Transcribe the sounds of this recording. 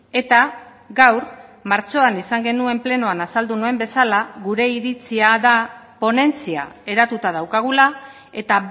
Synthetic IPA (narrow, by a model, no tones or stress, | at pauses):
e̞t̪a | ɡawɾmaɾt͡so̞anisaŋɡe̞nue̞mple̞no̞anasald̪unoe̞mbe̞salaɣuɾe̞iɾit͡siaðapo̞ne̞nt͡sia̰e̞ɾat̪ut̪að̞awkaɣ̞ula | e̞t̪a